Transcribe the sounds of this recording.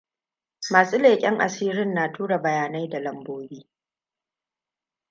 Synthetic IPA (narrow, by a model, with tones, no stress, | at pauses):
maː˨su˦leː˨kʲʼɪ˦ŋʔa̰˨siː˦ɾɪ˦nːaː˨tuː˦ɽa˨bɐ˨jaː˨na˦jda˨lɐ˨mboː˦biː˦